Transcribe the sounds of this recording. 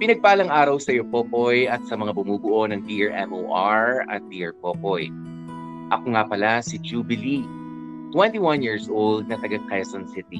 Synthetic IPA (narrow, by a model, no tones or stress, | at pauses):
pɪnɐɡ̚paːlɐŋʔaːɾɐwsɐjopopojɐt̪̚sɐmɐŋabʊmuːbʊʔo̞nɐŋb̪iʔɛɹʔɛmʔo̰ːʔaɹɐ̰t̪̚biʔɛɹpopoj | ʔɐkoŋapɐlasɪd͡ʒubɪli | t̪wɛ̃nt̪iwɐnjiːɹsʔold̪̚nɐt̪ɐɡɐkajɐsɐnsɪt̪i